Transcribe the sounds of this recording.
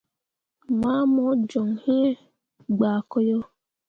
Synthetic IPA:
ma˦mɔ˦d͡ʒɔ˨ŋ˨he˦ | ɡ͡ba˨kɔ˦jo˦

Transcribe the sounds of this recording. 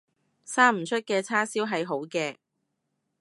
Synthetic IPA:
saː˥m̩˨˩t͡ʃʰɵ˥t̚kɛː˧t͡sʰaː˥siː˥wɦɐ˨jɦo˨˥wkɛː˧

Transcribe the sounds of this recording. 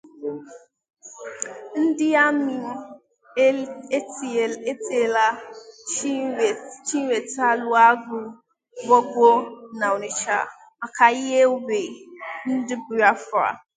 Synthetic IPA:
n̩˦dɪ˦a˦mi˨˦˨ | e˦te˨la˦˨ | t͡ʃi˦we˨ta˦lʊ˦a˦ɡʊ˨ | bɔ˦ɡʷo˦na˨o˨ni˨t͡ʃa̰˨ | ma˨ka˨i˦ɦe˦ʊ˦be˨n̩˦dɪ˦bʊ˨ɾa˦fa̰˨

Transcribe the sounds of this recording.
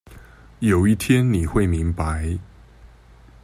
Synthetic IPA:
jo˨˩ʊi˥˩t̪ʰjɛ˦nni˨˩xwe˥˩ɪmi˨˦˥ŋpa˨˦ɪ

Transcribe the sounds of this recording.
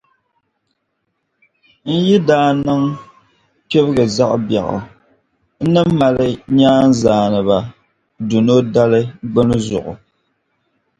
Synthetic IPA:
n̩˦ji˦daː˦nɨ˦ŋ | pe˦bɨ˦ɣɨ˨za˦ʔbja̰˨ɣʊ̰˨ | n̩˦nɨ˦m˦ma˨lɨ˦ɲaː˦n̩˦zaː˨nɨ˨βa˨ | du˨no˦da˦lɨ˦ɡ͡bɨ˦nɨ˦zʊ̰˨ʔʊ̰˨

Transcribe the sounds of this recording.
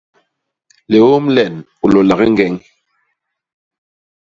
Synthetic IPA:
le˨wo˦mlɛ˨n | u˨lo˨la˨ɣi˦ŋ̩˦ɡɛ˨ŋ

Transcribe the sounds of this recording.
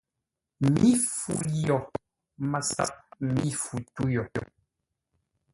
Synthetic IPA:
mi˦fṵ˨jɔ˨ | ma˨sa̰˦p̚mi˦fu˨tu˦jɔ˨

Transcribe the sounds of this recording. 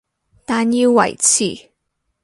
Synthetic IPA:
t̪aː˧nji˧wwɐ̰˨˩jt͡sʰḭː˨˩

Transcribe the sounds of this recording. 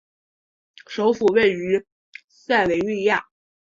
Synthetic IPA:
ʂo˧˥ʊfu˨˩we˥˩ɪy˧˥ | sa˥˩ɪwe˧˥ɪly˥˧ja˥˩

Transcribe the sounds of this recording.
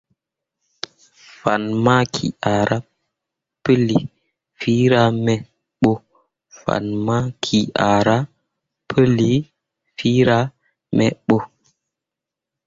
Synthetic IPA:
fa˨nma˦kʰḭ˨a˨ɾʔa˦ | pə˦li˨ | fi˦ɾa˦mɛ˨ | ɓo˦ | fa̰˨nma˦kʰi˨ʔa˨ɾa˦ | pʰə˦li˨ | fi˦ɾa˦ | mɛ˨ɓo˦

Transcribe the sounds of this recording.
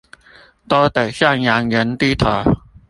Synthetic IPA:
t̪ɔ˦˥t̪ə˨˩ɕja˥˩ŋja˨˧˥ŋjə˨˦˥nt̪i˦t̪ʰɔ˨˩

